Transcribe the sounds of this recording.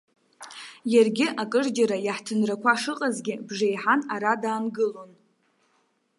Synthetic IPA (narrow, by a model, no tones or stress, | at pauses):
jarɡʲɪʔakʼɨrd͡ʒaɾajaħtʰɨnrakʷʰaʂɨqʼazɡʲɪbʐejħanaɾadaːnɡɨlo̞n